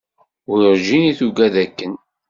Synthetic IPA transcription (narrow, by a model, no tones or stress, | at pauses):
ʊɾɾʒiniθuɡæðækːən